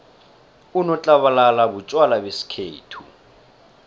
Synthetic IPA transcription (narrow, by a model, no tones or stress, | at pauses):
unɔt͡ɬʼaβalalabut͡ʃʼwalabesi̥kʰḛːtʰu